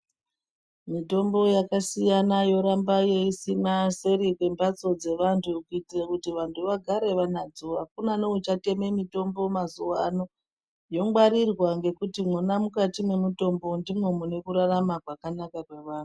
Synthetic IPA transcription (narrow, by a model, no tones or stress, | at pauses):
mito̞mbo̞jakasijanajo̞ɾambaje̞isinase̞ɾikwe̞mbat͡so̞d͡ze̞ʋantʰukuitirakutiʋantʰuʋaɡʱaɾe̞ʋanad͡zuʋak̚unaneut͡ʃate̞me̞mito̞mbo̞mazuʋano̞ | jo̞ŋɡwaɾirwaŋɡe̞kutimwunamukatimwe̞muto̞mbo̞ndimwe̞mune̞kuɾaramakwakanakakwe̞ʋaːnu